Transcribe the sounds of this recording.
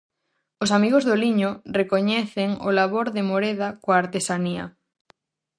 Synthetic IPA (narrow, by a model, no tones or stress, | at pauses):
osamiɣozðoliɲorekoɲɛθeŋo̰laβoɾðemoɾeð̞akoaːɾt̪esania̰